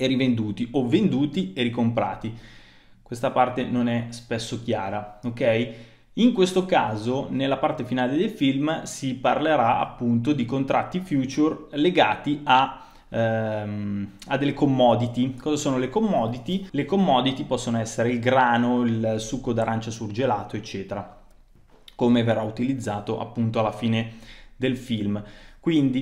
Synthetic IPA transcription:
erivend̪uːt̪iovend̪uːt̪ieɾikompɾa̰ːt̪i | kwest̪apart̪enonɛspesːok̟jaːɾaokɛj | iŋkwest̪okaːzonelːapart̪efinaːled̪elfilmsiparleɾaa̰pːunt̪od̪ikont̪ɾʔat̪ːifjuːt͡ʃurleɡaːt̪ia | m | ad̪ːelːekomːɔːd̪it̪ikɔːzasoːnolekomːɔːd̪it̪ilekomːɔːd̪it̪ipɔsːonoɛsːeɾeilɡɾaːnoilsukːod̪aɾant͡ʃasurd͡ʒelaːt̪oet͡ʃːɛːt̪eɾa | komeverːaut̪ilid̪zːaːt̪oʔa̰pːunt̪oalːafiːned̪elfilmkwind̪i

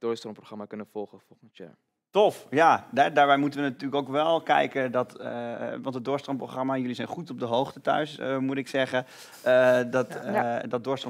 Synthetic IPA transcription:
d̥oːstrɔmproχramakɵnəfɔlˠχəfɔlˠχənsja̰ | tɔfjaɛdaːɹbɛjmutəʋənatyːləkowkʋɛlˠkɛ̰jkədɔtʋɑ̃ntɦət̚dʊːɹstrɔmproχramajɵlizɛjnχutɔb̚dəɦowχtətœ̰ɥsmutɪksɛχə | ədɔtdɔd̚dʊːɹstro

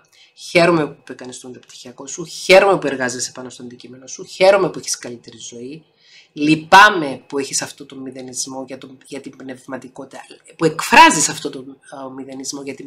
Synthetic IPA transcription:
çe̞ɾo̞mepupekɐnist̪omet̪ɐpt̪i̥çiɐko̞suçe̞ɾo̞me̞pue̞ɾɣɐzisepɐno̞st̪oɐnd̪icime̞no̞suçe̞ɾo̞mepueçi̥skɐlit̪e̞ɾizo̞i | lipɐme̞pue̞çisɐft̪o̞t̪o̞mːiðe̞nizmo̞ʝɐt̪oʝɐt̪imbne̞vmɐt̪iko̞t̪it̪ɐpuekfɾɐzisɐft̪o̞t̪omːiðe̞nizmo̞ʝɐt̪i

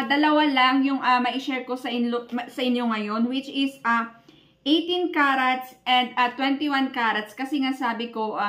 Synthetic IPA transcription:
d̪ɐlɐwalɐŋjʊŋʔɐmɐʔɪʃɛɹko̞sɐʔɪnosɐʔɪnjo̞ŋɐjo̞nwɪt͡ʃɪsɐ | ʔejt̪inkaɾɐt̪sʔɛ̃nd̪ɐt̪wɛnt̪iwankaɾɐt̪skɐsɛŋasaːbɪko̞ʔa

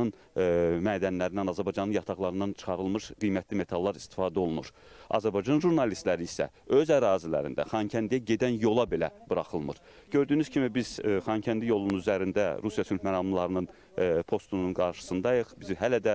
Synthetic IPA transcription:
ɯn | mæːd̪ænlæɾind̪ænɑzæɾbɑjd͡ʒɑnɯnjɑt̪ʰɑɣlˠɑɾɯnd̪ɑnt͡ʃʰɯ̥χɑɾɯlˠmɯʃɡ̥ijmæt̪ʰlime̞t̪ʰɑlˠːɑɾi̥st̪i̥fɑːd̪æo̞lˠunuɾ | ɑ̰zæɾbɑjd͡ʒɑnʒuɾnɑlist̪læɾiisæ̰ | ø̞zæɾɑːzilæ̰ɾḭnd̪æ̰χɑncʰænd̪ijæɟe̞d̪ænjo̞lˠɑbe̞læb̥ɯɾɑχɯlˠmɯ̰ɾ̥ | ɟø̞ɾd̪yːnyz̥cʰimibizχɑncʰænd̪ijo̞lˠununyzæɾind̪æɾusijɑsylmæɾɑmlˠɑɾɯnɯn | pʰo̞st̪ununɡɑɾʃɯ̥sɯnd̪ɑjɯχbizɦælæd̪æ

